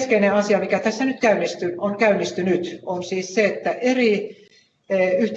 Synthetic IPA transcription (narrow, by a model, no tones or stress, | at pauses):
skeineɑsiɑmikæt̪æsːænyt̪kæynːist̪yoŋkæynːist̪ynyt̪onsiːsseet̪ːæʔeri | yht̪